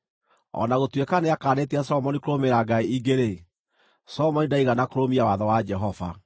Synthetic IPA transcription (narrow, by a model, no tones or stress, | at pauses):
ɔ̰naɣotwekaneakaːneteasɔmɔnikoɾomeɾaɡaiiɡeɾe | sɔmɔnidaiɣanakoɾomiawaðɔwad͡ʒɛɦɔva̰